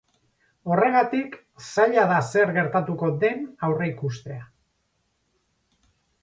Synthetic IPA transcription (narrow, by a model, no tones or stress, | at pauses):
o̞re̞ɣat̪ik | saʎaðase̞ɾɣe̞ɾt̪at̪uko̞ðe̞nawre̞ikust̪e̞a